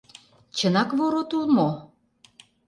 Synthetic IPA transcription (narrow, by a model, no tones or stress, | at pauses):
t͡ɕə̆nɑkvoɾot̪ulˠmo